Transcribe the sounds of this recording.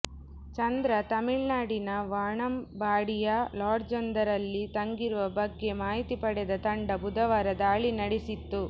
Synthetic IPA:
t͡ʃɐnd̪ɾɐt̪ɐmiɭnaːɽinɐʋaːɳɐmbaːɽijɐlaːɾd͡ʒɔnd̪ɐɾɐlːit̪ɐŋɡiɾuʋɐbɐɡːe̞maːɦit̪ipɐɽɛd̪ɐt̪ɐɳɖɐbud̪ɐʋaːɾɐd̪aːɭinɐɽesit̪ːu

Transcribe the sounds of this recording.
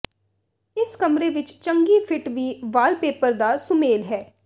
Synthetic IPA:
ɪskəmɾeːʋɪt͡ʃt͡ʃə̃ŋɡiːpʰɪʈʋiːʋaːlpeːpəɾd̪aːsʊmeːlɦɛː

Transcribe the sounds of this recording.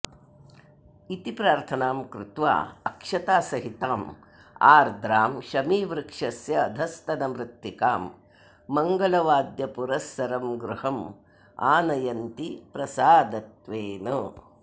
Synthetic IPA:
it̪ipɾaːɾt̪ʰɐnaːmkɾɪt̪ʋa̰ːɐkʂɐt̪aːsɐɦit̪aːm | a̰ːɾd̪ʱɾaːmʃɐmiːʋɾɨkʂɐsjɐːd̪ʱɐst̪ɐnɐmɾɪt̪ːikaːmː | ɐŋɡɐlɐʋaːd̪jɐpuɾɐsːɐɾɐmɡɾuɦɐm | a̰ːnɐjɐnt̪ipɾɐsaːd̪ɐt̪ʋeːnɐ

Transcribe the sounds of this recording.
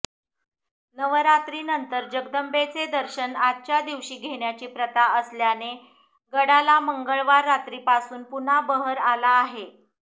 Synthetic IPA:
nəʋɾat̪ɾiːnənt̪əɾd͡ʑəɡd̪əmbet͡sed̪əɾɕənat̪̚t͡ɕjad̪iʋɕiːɡʱeɽ̃jat͡ɕiːpɾət̪aəsljane | ɡəɽalaməŋɡəɭʋaɾːat̪ɾiːpasuːnpunabəɦəɾalaːɦe

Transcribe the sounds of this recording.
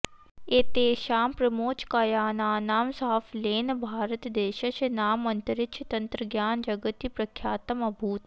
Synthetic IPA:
eːt̪eːʃaːmpɾɐmoːt͡ʃkɐjaːnaːnaːmsaɦɐfleːnbʱaːɾət̪d̪eːʃɐʃnaːmɐnt̪ɐɾɪkʃʰt̪ɐnt̪ɾəɡjaːnd͡ʒɐɡət̪ipɾɐkʰjaːt̪ɐmɐbʱuːt̪

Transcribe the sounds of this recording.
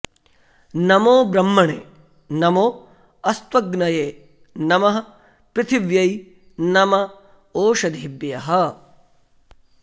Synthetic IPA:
nɐmoːbɾɐmːɐɳeː | nɐmoː | ɐst̪wɐɡnɐjeː | nɐmɐɦɐ̆ | pɾɪt̪ʰiʋjɐj | nɐmɐ | oːʃɐd̪ʱiibjɐɦɐ

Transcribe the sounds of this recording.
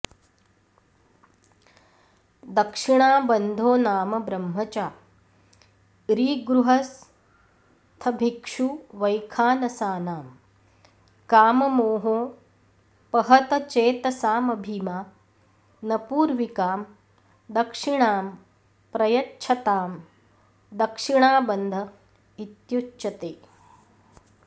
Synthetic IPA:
d̪ɐkʂiɳaːbɐnd̪ʱoːnaːmɐbɾɐmɦɐt͡ʃaː | ɾiːɡɾuɦɐs | t̪ʰɐbʱikʂuʋɐjkʰaːnɐsaːnaːm | kaːmɐmoːɦoː | pɐɦɐt̪ɐt͡ʃeːt̪ɐsaːmɐbʱiːmaː | nɐpuːɾʋikaːm | d̪ɐkʂiɳaːm | pɾɐjɐtːt͡ʃʰɐt̪aːm | d̪ɐkʂiɳaːbɐnd̪ʱɐ | it̪jutːt͡ʃɐt̪eː

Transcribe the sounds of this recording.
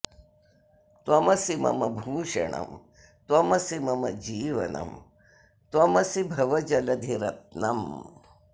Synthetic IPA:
t̪wɐmɐsimɐ̰mɐbʱuːʃɐ̰ɳ̃ɐ̰m | t̪wɐmɐsimɐmɐ̰d͡ʒiːʋɐ̰nɐ̰m | t̪wɐmɐsibʱɐʋɐd͡ʒɐlɐd̪ʱiɾɐt̪̚nɐm

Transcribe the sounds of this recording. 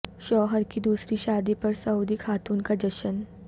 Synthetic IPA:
ʃɔːɦəɾkid̪uːsɾiʃaːd̪ipɐɾsɐuːd̪ixʰaːt̪uːnkad͡ʒɐʃən

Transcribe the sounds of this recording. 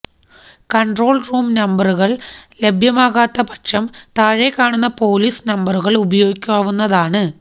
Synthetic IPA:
kɐɳɖro̞ːɭruːmnɐmbɐruɣɐɭle̞bʱjɐmaːɣaːt̪ːɐpɐʈʂɐmt̪aːɻekːaːɳunːɐpo̞ːliːsnɐmbɐruɣɐɭubɐjo̞ːɡikʲːuaːʋunːɐðaːɳɨ

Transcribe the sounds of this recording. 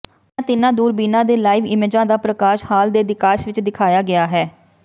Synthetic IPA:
ãt̪ɪnãːd̪uːɾbiːnãːd̪eːlaːɪʋɪmeːd͡ʒãːd̪aːpɾəkaːʃhaːld̪eːd̪ɪkaːʃʋɪt͡ʃd̪ɪkʰaːjaːɡɪaːɦɛː

